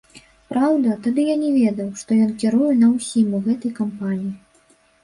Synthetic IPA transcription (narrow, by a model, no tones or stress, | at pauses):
pɾawd̪ɐt̪ad̪ɨjanʲɛvʲɛd̪ɐwʂt̪ɔjɔnkʲɛɾujɛnɐwsʲimuɣɛt̪ɐjkɐmpanʲiji